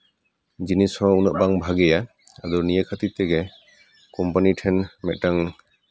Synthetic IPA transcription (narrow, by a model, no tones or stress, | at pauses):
d͡ʒinishɔ̃unəʔ̚baŋbʱaɡɛja | ad̪ɔnijəkʰat̪it̪ɛɡɛ | kɔmpaniʈʰɛnmɛt̪̚ʈaŋ